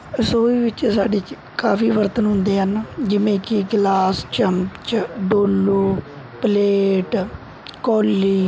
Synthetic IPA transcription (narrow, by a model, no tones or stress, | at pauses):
soːiːʋɪt͡ʃsaːɖeːt͡ʃ | kaːpʰiːʋəɾt̪ənɦʊ̃nd̪eːɦənd͡ʒɪʋẽːkɪɡlaːst͡ʃəmpt͡ʃɖoːlːoː | pəleːʈ | kɔːlːiː